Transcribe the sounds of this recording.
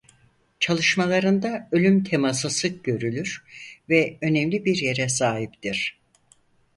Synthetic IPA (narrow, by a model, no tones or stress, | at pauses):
t͡ʃʰalˠɯʃmalˠaɾɯnd̪aølʲymt̪ʰe̞masɯsɯk̚ɟø̞ɾylʲyɾvɛø̞nɛmlʲibiɾje̞ɾɛsaːɦipt̪iɾ̥